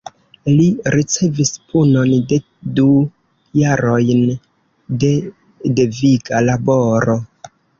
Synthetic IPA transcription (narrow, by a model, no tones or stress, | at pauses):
liɾit͡se̞vispʰuno̞nde̞ | du | jaɾo̞jn | de | deviɡalabo̞ɾo̞